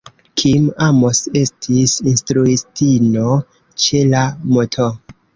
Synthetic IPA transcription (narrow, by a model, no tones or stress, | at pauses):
kʰimamose̞stʰisinstɾuistino | t͡ʃe̞lamotʰo